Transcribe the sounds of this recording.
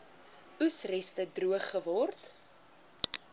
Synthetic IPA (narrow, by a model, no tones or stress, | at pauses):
usrɛstədruəχːəvɔrt